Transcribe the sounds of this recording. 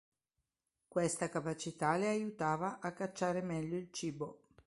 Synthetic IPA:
kwest̪akapat͡ʃit̪aleajut̪aːvaʔakːat͡ʃːaːɾemɛʎːoilt͡ʃiːbo

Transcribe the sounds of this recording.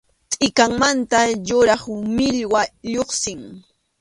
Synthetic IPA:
t̪ʼɪkaŋmant̪ajʊɾɑχʊmɪʎwaʎoχsɪŋ

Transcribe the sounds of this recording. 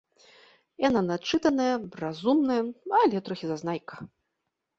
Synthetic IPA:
jananat͡ʂːɨt̪ɐnɐjɐrazumnɐjɐalʲɛt̪ɾɔxʲizaznajkɐ̥

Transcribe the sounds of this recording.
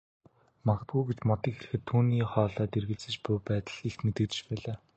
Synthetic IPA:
maɡə̆t̪̚ɡujɡet͡ɕmɔt̪iːŋxeɮɘ̆xɘ̆t̪ʰːuːniːχɔːɮaːt̪erɣɘ̆ɮt͡sɘ̆t͡ɕpʊjpæːt̪ə̆ɮixmet̪ɘ̆kt̪ɘ̆t͡ɕpæːɮaː

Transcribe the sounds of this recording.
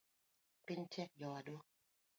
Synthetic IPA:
pent͡ɕʰek̚jɔːduk̚

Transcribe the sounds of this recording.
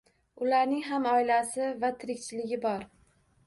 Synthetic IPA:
ʊlaɾnɪŋɦamɒɪlasɪvat̪ʰɪɾɪkʲt͡ʃʰɪlɪɡʲɪbɒɾ

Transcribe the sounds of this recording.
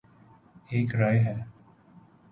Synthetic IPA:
eːkɾajɦɛː

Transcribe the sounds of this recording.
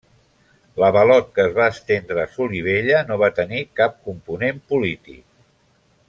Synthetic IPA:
ləβəlɔt̪̚kəːzβaəst̪end̪ɾəːsuliβ̞eʎənoβ̞at̪ənikap̚kumpunempulit̪ḭk̚

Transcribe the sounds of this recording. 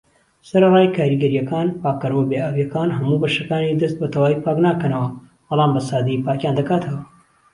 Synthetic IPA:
sɐɾɐvaːjkʰaːɾiɡɐɾijɐkaːnpaːkːɐɾɐwɐbeːaːwijɐkaːnɦɐmuːbɐʃɐkaːnid̪ɐst̪̚bɐt̪ʰɐwaːwipaːknaːkɐnɐwɐ | b̥ɨlˠaːmbɐsaːd̪ijipaːkjaːnd̪ɐkaːt̪ʰɐwɐ

